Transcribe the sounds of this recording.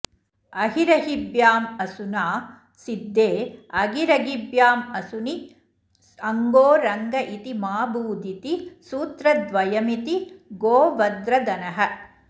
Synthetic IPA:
ɐɦiɾɐɦibjaːmɐsunaː | sid̪ːeːɐɡiɾɐɡibjaːmɐsuni | ɐŋɡoːɾɐŋɡɐʔit̪imaːbuːd̪it̪isuːt̪ɾɐd̪ʋɐjɐmit̪iɡoːʋɐd̪ɾɐd̪ɐnɐɦɐ̆

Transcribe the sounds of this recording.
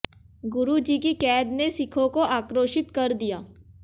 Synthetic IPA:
ɡʊɾud͡ʒikikɛːd̪nesɪkʰõkoaːkɾoːʃɪt̪kɐɾd̪ijaː

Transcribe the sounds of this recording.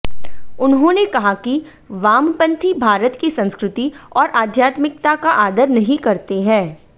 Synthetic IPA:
ʊnɦõnekɐɦaki | ʋaːmpɐ̃nt̪ʰibʱaːɾət̪kisɐ̃nskɾʊt̪iɔːɾʔaːd̪ʱjaːt̪mɪk̚t̪akaʔaːd̪əɾnɐɦĩkɐɾt̪eɦɛ̃ː

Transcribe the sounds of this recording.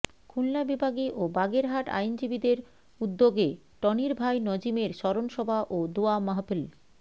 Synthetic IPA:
kʰullabibʱaɡiʔobaɡeɾɦaʈa̰jnd͡ʑibid̪eɾ | ud̪ːoɡe | ʈɔniɾbʱajnod͡ʑimeɾʃɔɾonʃɔbʱaʔod̪uamaɦapel

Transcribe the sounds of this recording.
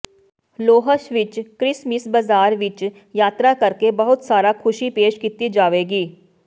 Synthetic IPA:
loːɦəʃʋɪt͡ʃkɾɪsmɪsbɐzaːɾʋɪt͡ʃ | jaːt̪ɾakɐɾkebɐɦʊt̪saːɾakʰʊʃipeːʃkit̪id͡ʒaːʋeːɡiː

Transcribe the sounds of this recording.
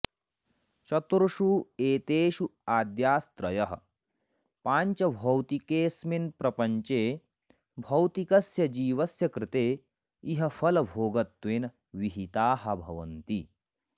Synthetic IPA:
t͡ʃɐt̪ɾuʃuːeːt̪eːʃuaːd̪jaːst̪ɾɐjɐɦɐ̰̆ | paːɲt͡ʃɐbʱɐwt̪ikeːsminpɾɐpɐɲt͡ʃeː | bʱɐwt̪ikɐsjɐd͡ʒiːʋɐsjɐkɾɪt̪eː | iɦɐfɐlɐbʱoːɡɐt̪ʋeːn | ʋiɦit̪aːɦɐbʱɐʋɐ̰nt̪i

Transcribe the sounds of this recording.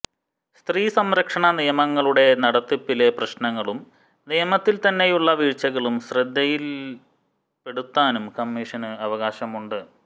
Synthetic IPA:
st̪riːsɐmɾɐkʂɐɳɐnijɐmɐŋːɐɭuɽe̞nɐɽɐt̪ːipːileprɐɕnɐŋːɐɭum | nijɐmɐt̪ːilt̪ɐnːe̞juɭːɐʋiːɻt͡ɕːɐɣɐɭumɕrɨd̪ʱːɐjil | pe̞ɽut̪ːaːnumkɐmːiːʂɐnɨɐʋɐɣaːɕɐmuɳɖɨ

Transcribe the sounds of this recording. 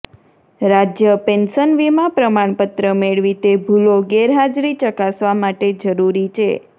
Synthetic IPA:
ɾad͡ʒjəpenʃənʋimãpɾəmaɳ̃pət̪ɾəmeɭʋit̪ebʱuloɡeɾɦad͡ʒɾit͡ʃəkasʋamaʈed͡ʒəɾuɾit͡ʃʰḛ

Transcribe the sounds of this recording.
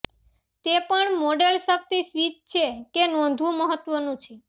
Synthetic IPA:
t̪epəɳmoɖelʃək̚t̪isʋit̪̚t͡ʃʰekenɔ̃nd̪ʱʋũməɦət̪ʋənũt͡ʃʰe

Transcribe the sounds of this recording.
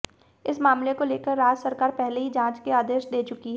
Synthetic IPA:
ɪsmaːmlekoleːkəɾːaːd͡ʒsəɾkaːɾpɛɦleɦid͡ʒãːt͡ʃkeaːd̪eːʃd̪eːt͡ʃʊkiɦɛː

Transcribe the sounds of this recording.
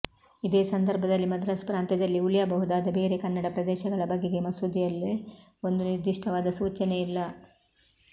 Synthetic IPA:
id̪e̞ːsɐnd̪ɐɾbʱɐd̪ɐlːimɐd̪ɐɾɐsɐpɾaːnt̪ɛd̪ɐlːiuljabɐɦud̪aːd̪ɐbe̞ːɾe̞kɐnːɐɽɐpɾɐd̪eːʃɐɡɐɭɐbɐɡːeɡe̞mɐsuːd̪ʱijɐlːe | o̞nd̪uniɾd̪iʂʈʰɐʋaːd̪ɐsuːt͡ʃɐneilːɐ

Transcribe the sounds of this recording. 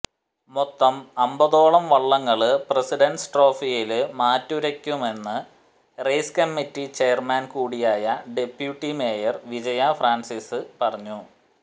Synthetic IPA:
mot̪ːɐmɐmbɐðo̞ːɭɐmʋɐɭːɐŋːɐɭɨpresiɖɐnsʈro̞ːfijilɨmaːtːuɾɐkʲːume̞nːɨ | rejskɐmːitːit͡ɕe̞ːɐrmaːnkuːɽijaːjɐɖe̞pjuʈːime̞ːjɐrʋid͡ʑɐjɐfraːnsiːsɨpɐrɐɲːu

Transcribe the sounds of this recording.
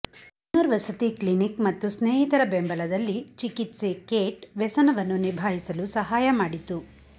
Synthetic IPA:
unːɐɾʋɐsɐt̪iklinikmɐt̪ːusneːɦit̪ɐɾɐbembɐlɐd̪ɐlːit͡ʃikit̪se̞keːʈʋɛsɐnɐʋɐnːunibʱaːɦisɐlusɐɦaːjɐmaːɽit̪u

